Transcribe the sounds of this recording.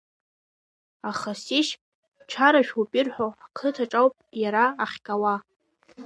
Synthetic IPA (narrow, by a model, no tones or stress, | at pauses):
aχasiʃ | ʈ͡ʂʰaɾaʃᶣupʼirħʷoakʰɨtʰaʈ͡ʂʼawpʼjaɾaːχʲkʲʼawa